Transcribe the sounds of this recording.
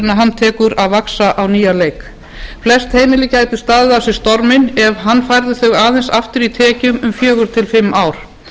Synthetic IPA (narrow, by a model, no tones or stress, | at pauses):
naɦanːt̪ʰɛːkʏɾaðvaksaʔawniːjaleːjk | flɛst̪heːjmɪlɪcaːjt̪ɪ̥st̪aːðɪðasɪ̥st̪ɔɾmɪnɛvɦanːfajɾðɪθœɣaːðɛnsaft̪ʏɾit̪ʰɛːcʏmʏmfjœːɣʏɾ̥t̪ʰɪlfɪmːaːwɾ̥